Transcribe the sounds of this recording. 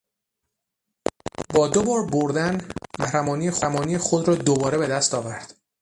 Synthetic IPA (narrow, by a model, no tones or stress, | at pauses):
bɒːd̪o̞bɒːɾboɾd̪ænmæhɾæmɒːnijexæmɒːnijexod̪ɾɒːd̪obɒːɾe̞be̞d̪æst̪ɒːvæɾd̪̥